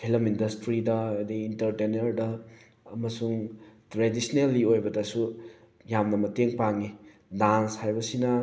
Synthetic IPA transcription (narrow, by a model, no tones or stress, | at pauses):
kʰilɐmindɐstɾidɐdiːntɐɾtenɐɾdɐː | mɐsuŋtɾedisnelːiojbɐdɐsu | jamnɐmɐteŋpaŋi | danshajbɐsinɐ